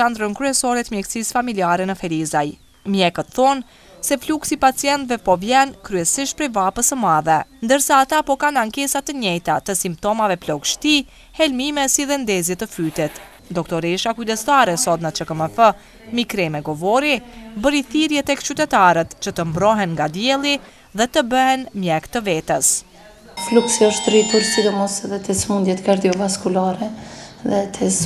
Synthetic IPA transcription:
and̪ɾənkɾyɛsɔɾɛt̪mjɛksisfamiliaɾɛnəfɛlizaj | mjɛkət̪θɔn | sɛfluksipat͡sijɛnt̪vɛpɔvjɛnkɾyɛsiʃt̪̚pɾɛvapəsəmaðɛnd̪əɾsaːt̪apɔkanaŋkɛsat̪əɲɛjt̪at̪əsimp̚t̪ɔmavɛplɔɡʃt̪i | hɛlmimɛsiðɛnd̪ɛzjɛt̪əfyt̪ɛt̪ | d̪ɔkt̪ɔɾɛʃakyd̪ɛst̪aɾɛsɔt̪nət͡ʃəkəməfə | mikɾɛmɛɡɔvɔɾibəɾiθiɾjɛt̪ɛkt͡ʃyt̪ɛt̪aɾət̪t͡ʃət̪əmbɾɔɦɛnŋɡad̪jɛlˠi | ðɛt̪əbəɦɛnmjɛɡt̪əvɛt̪əs | fluksiɔʃt̪ɾit̪uɾsid̪ɔmɔsɛðɛt̪ɛsmund̪jɛt̪kaɾd̪iɔvaskulaɾɛðɛt̪ʰɛs

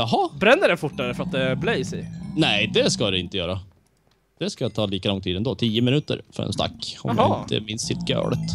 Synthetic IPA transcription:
jɑɦɑbɾɛnːəɖɛnfʊʈːaɾəfəɾat̪̚d̪ɛæɾblɛjsɛjnɛd̪ɛskad̪ɛɪnt̪ːəjœːɾa | d̪̥ɛskajat̪ʰɑːliːkalɔŋt̪ʰiːd̪ɛnd̪oːt̪ʰiːəmɪnʉːt̪ə̰ɾfœ̰ɾɛ̰nst̪a̰kːɔ̰d̪ɪnt̪ʰə̰mɪnst̪sɪt̪ːɡø̰ːɭət̪

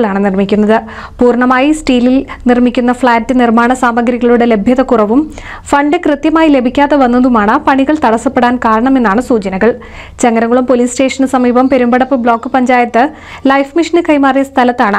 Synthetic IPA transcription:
ɭaːɳɨnirmikʲːunːɐðɨ | puːrɳɐmaːjisʈiːlilnirmikʲːunːɐfɭaːtːɨnirmaːɳɐsaːmɐɡɾiɣɐɭuɽe̞le̞bʱjɐðɐkurɐʋum | fɐɳɖɨkrɨt̪jɐmaːjile̞bʱikʲːaːðeʋɐnːɐðumaːɳɨpɐɳiɣɐɭt̪ɐɽɐsːɐpːe̞ɽaːnkaːɾɐɳɐme̞nːaːɳɨsuːt͡ɕɐnɐɣɐɭ | t͡ɕɐŋɡɐɾɐŋɡuɭumpo̞liːsʈe̞ːʂɐnsɐmiːbɐmpe̞ɾumbɐɽɐpːɨbɭo̞ːkːɨpɐɲd͡ʑaːjɐt̪ːɨ | lɐjfmiʂɐnɨkɐjmaːrijɐst̪ʰɐlɐt̪ːaːɳɨ

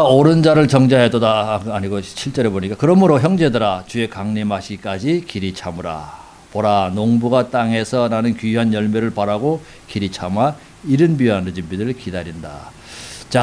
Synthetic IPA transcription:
oɾɯnd͡ʑaɾɯɭt͡ɕʌŋd͡ʑaɦedodaaɲiɡot͡ɕʰiɭt͡ɕ͈ʌɾe̞boɲik͈akɯɾʌmɯɾoçjʌŋd͡ʑe̞dɯɾat͡ɕue̞kaŋnemaɕʰik͈ad͡ʑikiɾit͡ɕʰamɯɾa̰ | poɾanoŋbuɡat͈aŋe̞sʰʌnanɯnkiɦanjʌɭmeɾɯɭpaɾaɡo | kiɾit͡ɕʰama | iɾɯnbianɯd͡ʑimbidɯɭkidaɾinda̰ | t͡ɕa

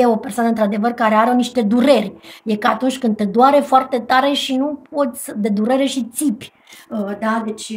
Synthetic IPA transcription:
eo̞persoanəɨnt̪ɾad̪e̞vərkaɾe̞aɾoniʃt̪e̞d̪uɾe̞rʲje̞kəat̪unt͡ʃʲkɨnd̪̚t̪ed̪oaɾefoart̪e̞t̪aɾe̞ʃinup̚o̞t̪sʲd̪e̞d̪uɾe̞ɾe̞ʃit̪sipʲ | əd̪ad̪e̞t͡ʃʲ

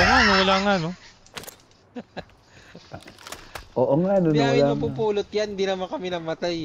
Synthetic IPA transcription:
ɐŋanowɐlaŋano | ʔoːʔoŋanoawlamɐpupuːlot̪̚jand̪inɐmankɐmɪnɐmɐt̪aj

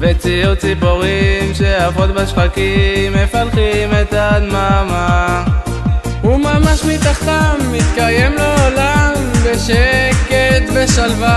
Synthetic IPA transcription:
vet͡sijut͡sipoʁimʃeafot̪̚baʃbakimːefalχimet̪admama | humamaʃmit̪aχt̪amːit̪kajemleolambeʃeket̪beʃalva

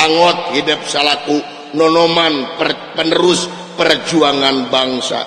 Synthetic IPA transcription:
aŋɔt̪̚hidʊp̚salaku | nɔnɔmanpə | pənəɾʊs | pərd͡ʒuaŋanbaŋsa̰

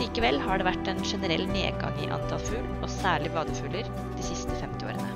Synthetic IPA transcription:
iːkəʋɛlhɑːɖeːʋæʈːɛːnʂɛnəɾɛ̰lːnḛːɡɑ̰ŋɪ̰ʔɑ̰nt̪ʰɑlfʉːlʔoːsæːɭɪʋɑːd̪əfʉːləɾ | d̪iːsɪst̪əfɛmt̪ɪo̰ːɾənə

